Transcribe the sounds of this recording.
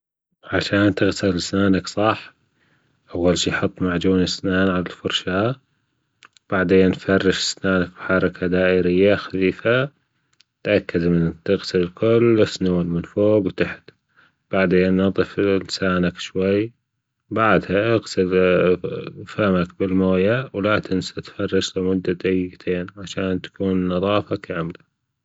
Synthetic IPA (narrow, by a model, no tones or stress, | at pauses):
ʕaʃaːnt̪ɪɣsɪlsnaːnaksˤɑħ | ʔawːalʃiːħɑt̪ˤːmaʕd͡ʒuːnɪsnaːnʕalalfʊɾˤʃaː | b̥aʕd̪eːnːfɑrˤːɪʃɪ̥snaːnak̚bħɑɾˤɑkʰad̪aːʔɪɾɪjːaxḁfiːfa | t̪ʔakːad̪mɪnt̪ɪɣsɪllkʊlɪsnuːlmɪnfoːbwt̪aħt̪ | b̥aʕd̪eːnːɑt̪ˤɨflsaːnakʃwaj | baʕd̪haʔɪɣsɪl | famakbɪlmoːjawlat̪ʰɪnsat̪fɑrˤːɪʃlɪmʊd̪ːad̪ajɪɡt̪ʰeːnʕaʃaːnt̪ḁkuːnːɑðˤɑːfakaːmɪla